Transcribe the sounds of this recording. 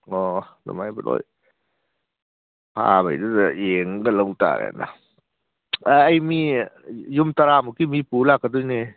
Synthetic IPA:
ɔdɔ̰majbɯlo̰j | pʰa̰ba̰jdɯzeŋɡalɔŋta̰ɡa̰na̰ | ajmi | jumtaɾamukimipulakːadujne

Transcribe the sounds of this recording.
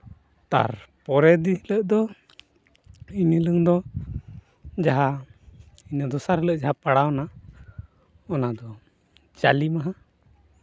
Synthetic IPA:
t̪a̰ɾpɔɾɛd̪iɦləʔd̪ɔ | iniləŋd̪ɔ | d͡ʒaɦa | inad̪ɔsaɾɛləʔd͡ʒaɦapaɽawna | ɔnad̪ɔ | d͡ʒalimaɦa

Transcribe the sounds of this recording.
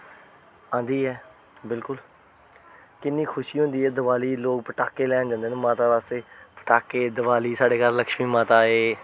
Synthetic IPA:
ãːnd̪iːɦɛː | bɪlkʊl | kɪnːiːkʰʊʃiːɦʊ̃nd̪iːɦɛːd̪əʋaːliːloːk̚pəʈaːkeːlɛːnd͡ʒãːnd̪eːneːmãːt̪aːʋaːst̪eːpəʈaːkeːd̪əʋaːliːsaːɖeːkaɾləkʃmiːmãːt̪aːɦeː

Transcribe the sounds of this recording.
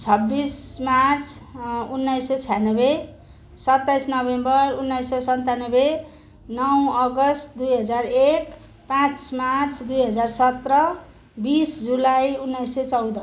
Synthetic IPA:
t͡sʰʌbːismart͡sʰunːajsʌt͡sʰijanʌbe | sʌt̪ːajsnʌbembʌrunːajsːesʌnt̪anʌbe | nʌwʌɡʌst̪d̪ujɦʌd͡zarek | pãt͡smart͡sʰd̪ujɦʌd͡zarsʌt̪rʌ | bisd͡zulajunːajsʌt͡sʌwd̪ʌ

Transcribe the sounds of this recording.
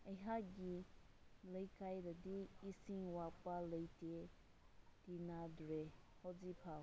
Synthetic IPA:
əjɦaɡi | ləjkajɾədiisĩŋwak͡paləjte | tinadɾehɔd͡zipʰa

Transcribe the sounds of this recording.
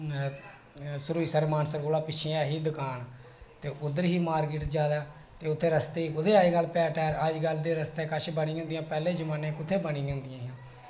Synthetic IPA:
sʊɾuːiːsəɾmaːnsəɾɡoːlaːpɪt͡ʃʰeːãːɦiːd̪ʊkaːn | t̪eːʔʊd̪əɾɦiːmaːɾkɪʈd͡ʒaːd̪aː | t̪eːʊt̪ʰːeːɾəst̪eːʊt̪ʰeːaːiːɡəlpɛːʈɛːɾəd͡ʒɡəld̪eːɾəst̪eːkəʃbənĩːɦõːnd̪ɪjãːpɛːleːd͡ʒəmaːnẽːkʊt̪ʰːeːbənĩːɦõːnd̪ɪjãːãː

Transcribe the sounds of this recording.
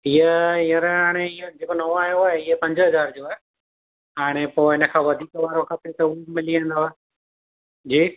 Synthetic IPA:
ɪɦəɪəɾɦaːɽ̃eɪ̃d͡ʑeːkonɐʋoaːjoaːɦeɪepɐ̃ɲd͡ʑəɦɐzaːɾd͡ʑoːaɦe | ɦaːɽ̃epoːɦɪnə̆kʰãːʋɐd̪ʱiːkəʋaːɾõkʰapɾit̪ɐmɪliə̃ːnd̪oaːɦe | d͡ʑiː

